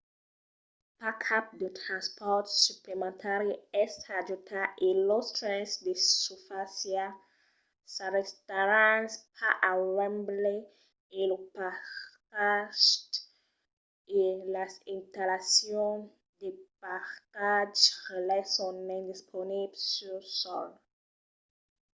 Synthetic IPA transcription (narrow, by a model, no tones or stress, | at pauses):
pakʰap̚d̪etɾãnspʰɔtsuplemãnt̪ʰaɾiɛstad͡ʒutʰaʔilɔstɾɛ̃nsdesufasja | saɾest̪aɾãnspʰaʔawɛ̃mble | elupakaʃt | elasĩnt̪alasjɔ̃n | d̪epakad͡ʒʁelɛsɔ̃nnɛ̃d̪ispʰoniblsysɔl